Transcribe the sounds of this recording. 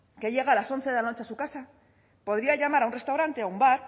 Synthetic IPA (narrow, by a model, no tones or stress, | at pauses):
ke̞ʎe̞ɣaːlaso̞nθe̞ðe̞lano̞t͡ʃeasukasa | po̞ðɾiaʎamaɾaunre̞st̪awɾant̪e̞aumbaɾ